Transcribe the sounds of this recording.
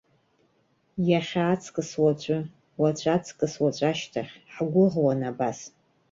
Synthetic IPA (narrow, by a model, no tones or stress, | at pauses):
jaχʲaːt͡sʰʼkʼɨswat͡ʃʷʼɨ | wat͡ʃʷʰʼat͡sʰʼkʼɨswat͡ʃʷʼaʃtʰaχʲħɡʷʊʁwanabas